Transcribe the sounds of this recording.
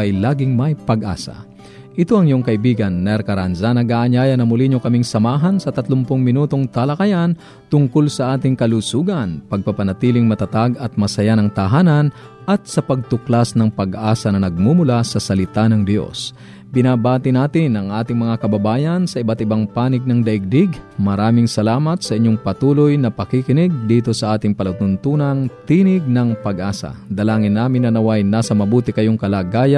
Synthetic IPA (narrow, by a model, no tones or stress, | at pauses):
ɐjlaːɡɪŋmɐjpɐɡʔa̰ːsɐ̰ | ʔɪt̪oʔɐŋɪjoŋkɐʔɪbiːɡɐnːɛɾkɐɾanzanɐɡaːʔɐɲaːjɐnɐmʊliɲokɐmiŋsɐmaːɦɐnsɐt̪ɐt̪lʊmpʊŋmɪnuːt̪o̞ŋt̪ɐlɐkɐjan | t̪ʊŋkolsɐʔaːt̪ɪŋkɐlusuːɡɐnpɐɡ̚pɐpɐnɐt̪iːlɪŋmɐt̪ɐt̪aɡɐt̪̚mɐsɐjanɐŋt̪ɐɦaːnɐn | ʔɐt̪̚sɐpɐɡ̚t̪ʊklasnɐŋpɐɡʔaːsɐnɐnɐɡ̚mumʊlasɐsɐlɪt̪anɐŋd̪ɪjo̞̰s | bɪnabaːt̪ɪnaːt̪ɪnʔɐŋʔaːt̪ɪŋmɐŋakɐbɐbaːjɐnsɐʔɪbat̪ɪbaŋpaːnɪɡ̚nɐŋd̪ɐʔɪɡ̚d̪ɪɡmɐɾaːmɪŋsɐlaːmɐt̪sɐʔɪɲːoŋpɐt̪uːlojnɐpɐkikɪnɪɡ̚d̪iːt̪o̞sɐʔaːt̪ɪŋpɐlut̪ʊnt̪uːnɐŋt̪iːnɪɡ̚nɐŋpɐɡʔaːsɐ̰d̪ɐlaːŋɪnːaːmɪnːɐnɐwajnaːsɐmɐbuːt̪ɪkɐjoŋkɐlaːɡaːjɐ